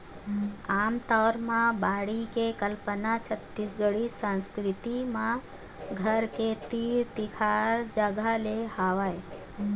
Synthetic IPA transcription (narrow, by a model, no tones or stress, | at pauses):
aːmt̪ɔːɾmãbaːɽikekəlpənat͡ʃʰət̪ːisɡəɽisãnskɾɪt̪imã | ɡʱəɾket̪iːɾt̪ikʰaɾd͡ʒaɡaleɦaʋae